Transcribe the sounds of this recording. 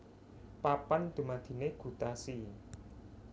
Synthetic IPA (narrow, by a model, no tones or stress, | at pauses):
papand̪̥ṳmad̪̥i̤neɡ̥ṳt̪asi